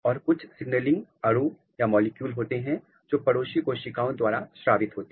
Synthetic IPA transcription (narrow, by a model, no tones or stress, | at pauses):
ɔːɾkʊt͡ʃʰsɪɡnəlɪ̃ŋɡɐɽu | jamɔːlɪkjuːlɦoːt̪eɦɛ̃ | d͡ʒoːpɐɽoːʃikoʃɪkaːõd̪waːɾaʃɾaːʋɪt̪ɦoːt̪e